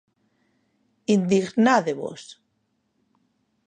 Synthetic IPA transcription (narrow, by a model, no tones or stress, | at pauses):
ind̪iɣnaðeβo̰s